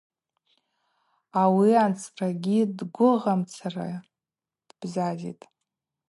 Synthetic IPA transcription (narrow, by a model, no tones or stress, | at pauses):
awiant͡sʰʼraɡʲidɡʷʊʁamt͡sʰara̰ | d̥b̥zazḭtʼ